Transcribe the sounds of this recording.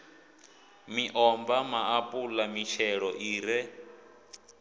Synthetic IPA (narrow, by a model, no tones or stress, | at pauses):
miʔɔmbamaapʼulamit͡ʃʰɛɺɔʔiːɾɛ